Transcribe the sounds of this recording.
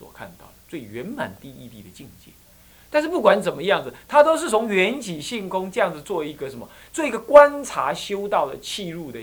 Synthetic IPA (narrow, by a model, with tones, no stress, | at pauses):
swɔ̰˨˩kʰa̰˧nt̪ɑ̰˥˩ʊd̪ə˩t͡swe˥˩ɪɥɛ˨˧˥nma̰˨˩nt̪i˥˧i˥˧t̪ḭ˥˩d̪ə˩t͡ɕi˥˧ŋt͡ɕjɛ̰˥˩n | t̪a˥˧nʂɻ̩˥˨p̬u˥˩kwa˧˦nt͡sə˨˩nmə˦jɑ˥˩ŋd͡z̩˩t̪ʰa˥t̪o˥ʊʂ̬ɻ̩˥˩t͡sʰo˧˥ŋɥɛ˨˦nt͡ɕi˨˩ɕi˥˩ŋkʊ˥ŋt͡sɤ˥˧jɑ˥˨ŋd͡zɨ˨˩t͡swɔ˥˧i˧˥ɡə˨ʂə˨˧˦nmə˨t͡swɔ˥˩i˧˥ɡə˨kwa˦nt͡sʰa˨˧˥ɕjo˥ʊt̪ɑ˥˩ʊd̪ə˩t͡ɕʰi˥˧ɻu˥˧d̪ə˨